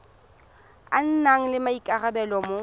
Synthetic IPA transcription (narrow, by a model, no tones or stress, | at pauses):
a̰n̩naŋ̩lɪmaikʼarabɛlɔmo